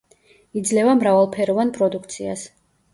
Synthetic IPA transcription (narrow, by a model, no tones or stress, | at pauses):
id̪zlɛvamɾavalˠpʰɛɾɔvanpʼɾɔd̪ukʰt̪sʰia̰s